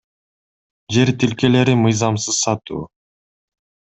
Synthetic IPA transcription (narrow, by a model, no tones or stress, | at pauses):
d͡ʒe̞ɾt̪ilke̞le̞ɾimɯjzɑmsɯz̥sɑt̪ṵː